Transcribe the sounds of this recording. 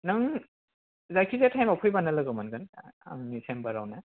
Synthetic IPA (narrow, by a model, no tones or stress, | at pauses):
nɯŋ | zakʰizatʰajmapʰujbanɐlɯɡɯmanɡɯna̰ŋnisʰembaɾawna